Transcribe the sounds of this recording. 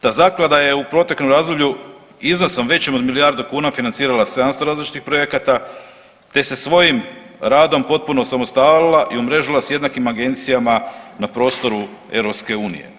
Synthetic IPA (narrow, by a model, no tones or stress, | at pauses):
t̪azaklad̪aje̞upɾo̞t̪jeknomɾaːzd̪oʋʎu | izno̞somʋe̞t͡ɕemod̪milijaɾd̪ukuːnafinant̪siːɾalaseanst̪oɾaːzlit͡ʃi̥t̪ixpɾo̞je̞kat̪a | t̪e̞se̞sʋo̞jimɾaːd̪o̞mpo̞t̪̚puno̞samost̪allilˠaʔiumɾeʒilˠasjed̪nakimaɡe̞nt̪sijamanapɾo̞ːst̪o̞ɾu | e̞̰vɾopske̞uːnḭje̞̰